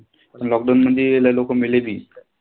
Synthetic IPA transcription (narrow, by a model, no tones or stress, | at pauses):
pəɳlɔɡdawnməd̪ʱːjeelalokomileb̪iː